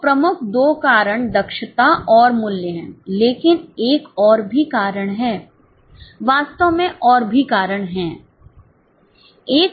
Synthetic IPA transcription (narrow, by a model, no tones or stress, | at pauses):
pɾɐmʊkʰd̪oːkaːɾəɽ̃d̪ɐkʃət̪aʔɔːɾmʊljəɦɛ̃leːkɪneːkɔːɾbʱikaːɾəɽ̃ɦɛː | ʋaːst̪əʋmẽʔɔːɾbʱikaːɾəɽ̃ɦɛ̃ː | eːk